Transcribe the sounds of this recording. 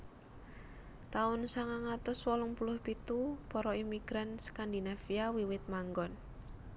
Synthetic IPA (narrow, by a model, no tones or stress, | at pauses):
t̪aʊnsaŋaŋat̪ʊswɔlʊŋpulʊhpit̪upɔɾɔimiɡ̥ɾanskand̪inafiawiwɪt̪̚maŋɡɔn